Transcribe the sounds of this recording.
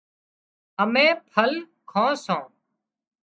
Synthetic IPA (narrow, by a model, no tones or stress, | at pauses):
əmẽːpʰəl | kʰõːsõː